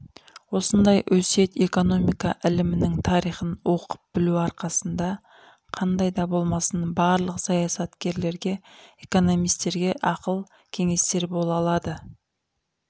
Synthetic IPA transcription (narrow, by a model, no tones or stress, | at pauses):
wo̞sənd̪ɑjʔɵse̞t̪e̞ko̞no̞mijkɑʔɪlɪmɪnɪŋt̪ʰɑɾijχənwo̞qə̥p̚bɪluɑɾqɑsənd̪ɑ | qʰɑnd̪ɑjd̪ɑbo̞lˠmɑsənbɑɾlˠəqsɑjɑsɑt̪kʲe̞ɾle̞ɾɡʲe̞eko̞no̞mijst̪e̞ɾɡʲe̞ʔɑqəlˠ | kʲʰe̞ŋe̞st̪e̞ɾbo̞lˠɑlˠɑd̪ə